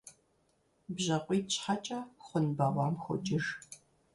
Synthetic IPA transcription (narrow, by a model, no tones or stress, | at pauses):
bʑɐqʷʼiːt͡ʃħat͡ʃʼɐχʷʊnbɐʁʷɑːmxʷʊt͡ʃʼɪr